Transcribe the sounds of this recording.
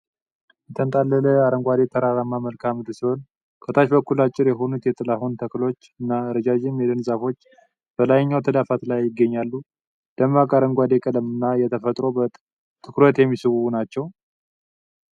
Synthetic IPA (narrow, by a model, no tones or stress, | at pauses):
jɛt̪ʰənt̪ʼalːələaɾəŋɡʷad̪et̪ʰəɾaɾamːaməlkʰamɨd̪ɨlsiho̞n | kʰət̪ʰaʃbəkʰːulat͡ʃʼːɪɾjɛɦo̞nut̪jɛt̪ʼɨlaɦunt̪ʰəklo̞t͡ʃːɨnːaɨɾəd͡ʒad͡ʒɪmjɛd̪ɨnzafo̞t͡ʃː | b̥əlajɲːawt̪ʰəd̪afat̪lajːɪɡːəɲːalːu | d̪̥əmakʼaɾəŋɡʷad̪ekʼələmɨnːajɛt̪ʰəfət̪ʼɾo̞bə | t̪ʰɨkɾət̪jɛmːisɨwunat͡ʃːɛw